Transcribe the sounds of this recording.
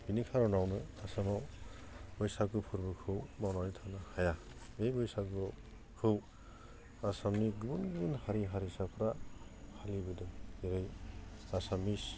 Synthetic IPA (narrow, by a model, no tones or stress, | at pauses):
binikʰaɾɔnawnɯasamaw | bɔjsakɯpʰuɾbɯkʰɯwbawnawnitʰanahaja | ejbɔjsak̚ɡɔ | kʰɯw | asamniɡubunɡɯbunhaɾiɦaɾisapʰɾahalibɯdɔiɾɯjasamis